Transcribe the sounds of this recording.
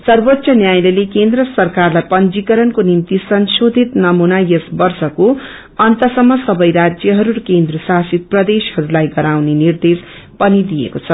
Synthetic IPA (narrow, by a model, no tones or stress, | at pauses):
sʌrbot̪ːsʌnjajlelekend̪ɾʌsʌrkarlajpʌnd͡zikʌɾʌnkonimt̪isʌnsod̪ʱit̪nʌmunajesbʌrsʌko | ʌnt̪ʌsʌmːʌsʌbʌjɾad͡zjʌɦʌɾuɾkend̪rʌsasit̪̚prʌd̪eshʌɾulajɡʌɾawnenird̪es | pʌnid̪ijḛkot͡sʰʌ